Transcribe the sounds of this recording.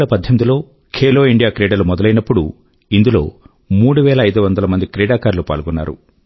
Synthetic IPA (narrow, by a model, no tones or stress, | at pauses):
lɐpɐd̪ʱjɐmid̪ilo̞ː | kʰeːlo̞ːiɳɖijaːkɾeːɽɐlumɔd̪ɐlɐjnɐpːuɽṵ | ind̪ulo̞̰ː | muːɽuʋɛːlɐɐjd̪uʋɐnd̪ɐlɐmɐnd̪ikɾɛːɽaːkaːɾlupa̰ːlɡɔnːa̰ːɾṵ